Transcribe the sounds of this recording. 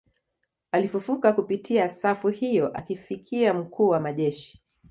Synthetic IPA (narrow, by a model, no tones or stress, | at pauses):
alifufukakupitʰiasafuhijɔʔakifikʰiam̩kʰuːwamaʄɛʃi̥